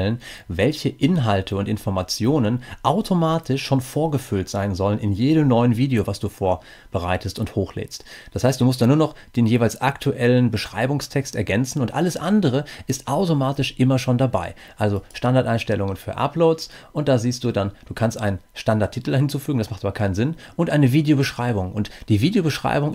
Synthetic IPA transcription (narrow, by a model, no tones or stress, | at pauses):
ɛlənvɛlçəʔɪnɦaltʰəʊntɪnfɔɐmat͡sjoːnənʔaʊtʰomaːtʰɪʃʃoːnfoːɐɡəfʏltz̥aɪnzɔlənɪnjeːdəmnɔʏənviːdeovasd̥uːfoːɐ | b̥əʁ̞a̰ɪtʰəstʊnthoːxlḛːstd̥ashaɪstd̥uːmʊstd̥aːnuːɐnɔχd̥eːnjeːvaɪlsʔaktʰuʔɛlənbəʃʁ̥a̰ɪbʊŋstʰɛkstɛ̰ɐɡɛnt͡sn̩ʊntʔa̰ləsʔandəʁ̞əʔɪstʔaʊtomaːtɪʃʔɪmɐʃoːndaba̰ɪ | ʔalzoʃtandaɐtʔaɪnʃtɛlʊŋənfyːɐʔa̰ploːsʔʊnt̚d̥aːziːstd̥uːdand̥uːkʰanstʔa̰ɪnənʃtandaɐtʰiːtl̩dahɪnt͡suːfyːɡŋ̩dasmaχtʔaːbɐkʰaɪnənzɪnʔʊntʔaɪnəviːdejobəʃʁ̥aɪbʊŋʔʊntd̥iːviːdejobəʃʁ̥a̰ɪbʊŋ